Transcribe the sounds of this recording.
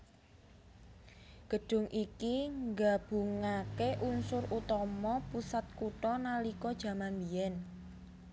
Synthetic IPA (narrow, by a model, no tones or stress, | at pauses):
ɡ̥ə̤ɖ̥ʊ̤ŋʔikiŋɡab̥ṳŋakeʔunsʊrut̪ɔmɔpusat̪̚kuʈɔnalikɔd̥ʒ̥ä̤manbiɛn